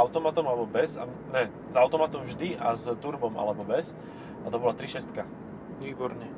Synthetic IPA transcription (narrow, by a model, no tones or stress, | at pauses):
aʊt̪ɔmat̪ɔmalɛbɔbɛza | nɛ | zaʊt̪ɔmat̪ɔmvʒd̪iʔazt̪uɾbɔmʔa̰lɛbɔbɛs | at̪ɔbɔlat̪ɾiʃɛst̪ka | ʋiːbɔɾɲɛ